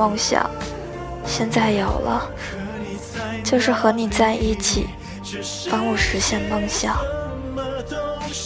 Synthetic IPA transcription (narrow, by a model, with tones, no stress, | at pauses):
ɤ˥ŋɕjɑ̰˨˩˦ŋ | ɕjɛ˥˧nt͡sa˥˩ɪjo˨˩ʊlə̰˦ | t͡ɕjo˥˧ʊʂɻ̩˥˩xɤ˧˥ni˨˩t͡sa˥˧ɪi˥˩t͡ɕʰḭ˨˩ | pa˥ŋu˥˩ʂɻ̩˧˥ɕjɛ˥˩nmɤ˥˧ŋɕjɑ˨˩˦ŋ